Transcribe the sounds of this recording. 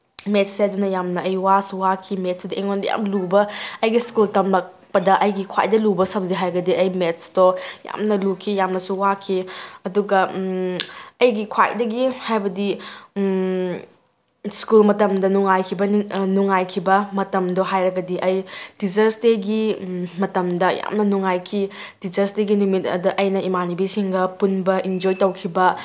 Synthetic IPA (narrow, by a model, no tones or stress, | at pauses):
met̚seɐdunɐjamnɐɐjwasuwakʰimet̚sidɐʔeŋondɐja̰mlubɐɐjɡiskultɐmlɐk̚pɐdɐʔɐjɡikʰwa̰jdɐlubɐsɐp̚ziɦajɾɐɡɐdiɐjmet̚sdoja̰mnɐlukʰijamnɐsuwakʰiɐduɡɐ | ɐjɡikʰwa̰jdɐɡihajbɐdi | skulmɐtɐmdɐnuŋajkʰibɐnnuŋːajkʰibɐmɐtɐmdoɦajɾɐɡɐdiʔɐjd̥id͡ʒɐɾsteɡimɐtɐmdɐja̰mnɐnuŋajkʰidid͡ʒɐɾsteɡinumitɐ̰dɐʔɐjnɐimanibisiŋɡɐpunbɐʔind͡ʒojtɐwkʰibɐ